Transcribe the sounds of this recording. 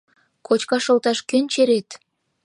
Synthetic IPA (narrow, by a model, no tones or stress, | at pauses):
kʰot͡ɕkɑʃŏlt̪ɑʃkønʲt͡ɕeɾet̪